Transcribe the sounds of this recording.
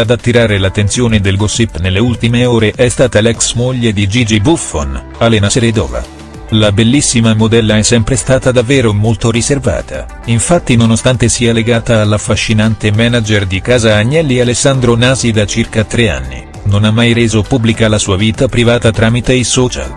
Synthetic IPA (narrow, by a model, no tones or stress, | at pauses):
ad̪at̪ːiɾaːɾelat̪ːent̪sjoːned̪elɡosipːnelːeult̪imeoːɾeʔɛst̪aːt̪alɛksmoʎːed̪id͡ʒid͡ʒibufon | alenaseɾed̪ɔ̰ːva̰ | labelːisːimamod̪ɛlːaɛsːɛmpɾest̪aːt̪ad̪avːeːɾomolt̪oɾiserva̰ːt̪ʰa̰ | iɱfat̪ːinonost̪ant̪esiːaleɡaːt̪aːlːafːaʃːinant̪emɛːnad͡ʒerd̪ikaːzaːɲːɛlːialesːand̪ɾonaːzid̪at͡ʃirkat̪ɾea̰nːḭ | nonamːajɾeːzopubːlikalasuːaviːt̪apɾivaːt̪at̪ɾaːmit̪eisɔːt͡ʃa̰l